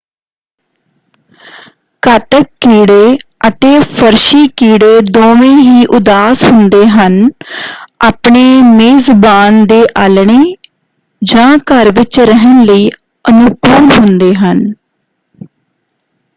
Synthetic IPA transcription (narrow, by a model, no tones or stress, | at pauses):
kət̪əkːiːɽeːʔət̪eːpʰəɾʃiːkiːɽeːd̪oːʋẽːɦiːʔʊd̪aːshʊnd̪eːɦən | aːpɳeːmeːzbaːnd̪eːʔaːlɳeː | d͡ʒãːkəɾʋɪt͡ʃɾəɦənləiː | ənʊkuːlɦʊnd̪eːɦən